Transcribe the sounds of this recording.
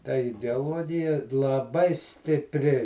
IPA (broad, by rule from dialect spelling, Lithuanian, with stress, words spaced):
tɐ ɪdʲɛɐˈlˠuɔɡʲɪjɛ lˠɐˈbɐɪ sʲtʲɪpʲˈrʲɪ